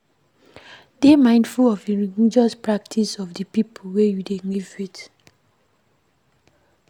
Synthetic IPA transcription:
d̥emãɪ̃ndfulɔviliid͡ʒɔspɹak̚tʰisɔfdəpipʰulwejudeɡivit

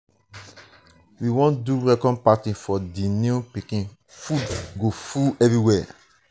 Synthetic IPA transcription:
wiwɔ̃nduɹɛkɔ̃npatĩfɔdinũpikĩn | fudɡofuɛvɹiwɛ

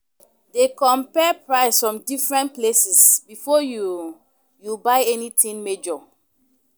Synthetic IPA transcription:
dekɔ̃mpɛpɹaɪsfɹɔ̃mdifɹɛ̃nt̚plesɛsbifɔju | jubaɪɛnitĩŋmed͡ʒɔ

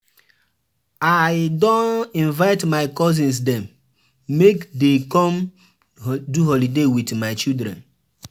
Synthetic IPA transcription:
aɪdɔ̃nĩnvaɪtmaɪkɔzĩns̬dɛ̃mː | ekdekɔ̃m | duɦɔlidewitmaɪt͡ʃildɾɛ̰̃n

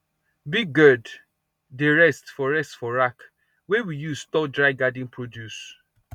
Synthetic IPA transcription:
biɡɡɜd | deɹɛstfɔɹɛstfɔɹak | wɛwijuztɔdɹaɪɡadĩnpɹodjus

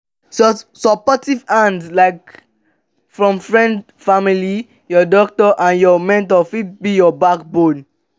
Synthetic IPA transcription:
ssɔpɔtivãndslaɪk | fɹɔ̃mfɹɛ̃nd | famili | jɔdɔk̚tɔʔãnjɔmɛ̃ntɔfid̚bijɔbak̚bod

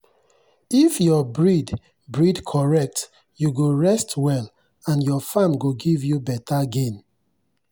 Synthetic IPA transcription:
ifjɔbɹid | bɹidkʰɔɹɛk̚t | juɡoɹɛstwɛl | ãnjɔfãmɡoɡivjubɛtaɡẽn

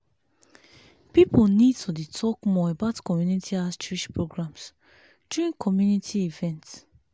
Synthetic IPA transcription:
pipʰəlnid̚tʰuditʰɔkmɔəbaʊtkʰɔmjunitʰiast͡ʃuiʃpʰɹoɡɹãms | d͡ʒ̥uĩŋkʰɔmjunitʰiivɛ̃nts

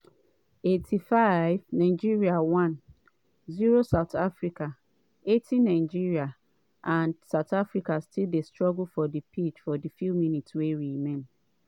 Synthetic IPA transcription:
etʰifaɪvnãɪd͡ʒiɹiawãn | ziɹosaʊtafɹika | etʰinãɪd͡ʒiɹia | ʔãnsaʊtʰafɹikastʰildestɹɔɡl̩fɔdipʰit͡ʃfɔdifumĩnitsweɹimɛ̃nm

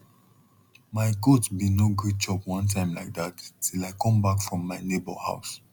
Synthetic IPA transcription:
maɪɡodsbinoɡud̚d͡ʒɔbwʌ̃ntʰãɪ̃mlaɪk̚dattʰilaɪkʰɔ̃mbakfɹɔ̃mːaɪnebəlha̰ʊs

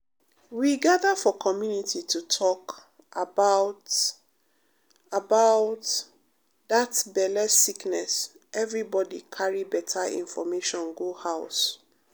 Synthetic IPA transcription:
wiɡaðafɔkʰɔmjunitʰitʰutʰɔk | ʔabaʊt | abaʊt | ðatbɛlɛsiknɛs | ʔɛvɹibɔdikʰaɹibɛtʰaḭ̃ɱfɔmeʃɔ̃nɡuhaʊs

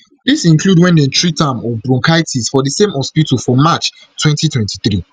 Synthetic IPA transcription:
ðisĩnkʰludwɛ̃ndɛ̃ntɹitãmɔbɹɔ̃ŋkʰaɪtʰisfɔðəsẽmɔspitofɹɔ̃mːat͡ʃ | twɛ̃ntitʰwɛ̃ntiθɹi

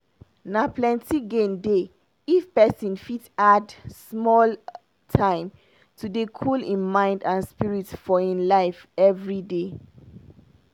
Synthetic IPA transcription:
naplɛ̃ntiɡẽnde | ifpɛsĩnfitadsmɔl | tʰãɪ̃m | tʰudekʰulĩnmãɪ̃ndãnspiɹitfɔĩnlaɪfɛvɹide

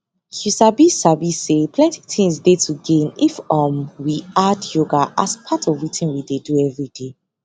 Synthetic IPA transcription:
husabisabisepʰlɛ̃nti̥tʰĩŋsdetʰuɡẽnifãmwiadjoɡaʔa̰spʰatʰɔvwitʰĩnwideduɛvɹide

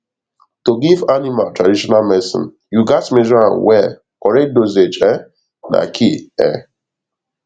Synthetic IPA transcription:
toɡivanimaltɹadiʃɔnalmɛsḭ̃n | juɡatmeʒɔã̰nwɛ | kɔɾɛdozed͡ʒɛ | na̰kʰiɛ̰

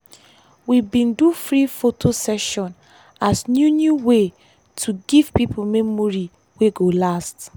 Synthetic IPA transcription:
wibĩndufɹifotʰosɛʃɔ̃n | asnjunjuwe | tʰuɡiv̥pipʰomemoɹi | weɡolast

